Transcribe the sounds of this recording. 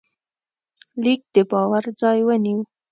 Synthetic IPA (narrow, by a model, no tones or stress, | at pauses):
lik̚d̪əbɑwaɾd͡zɑjwəniw